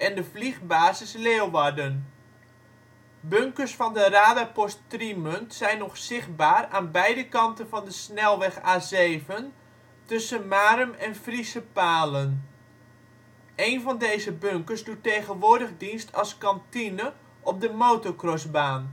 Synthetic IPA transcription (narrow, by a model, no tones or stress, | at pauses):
ɛndəvliχbaːzɪsleːlˠʋardən | bøŋkərsfɑndəraːdəpɔstrimøntsɛjnɔχsɪχt̚baːraːnbɛjdəkɑntənvɑndəsnɛlˠʋɛxaːzeːvən | tɵsənmaːrəmɛnfrisəpaːlən | ʔejnvɑndejzəbøŋkəɹsdutːejɣənʋʊːdəɣdinstʰɑlˠskɑntinə | ʔɔp̚dəmoːtɔkrɔsbaːn